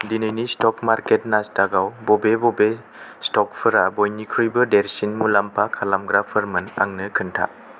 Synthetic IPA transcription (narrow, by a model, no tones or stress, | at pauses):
dinɯjnistɔkmaɾket̚nastaɡawbɔbebɔbe | stɔk̚pʰɯɾabojnikʰɾujbɯdeɾsinmulampʰakʰalamɡɾapʰəɾmɯna̰ŋnɯkʰɯntʰa̰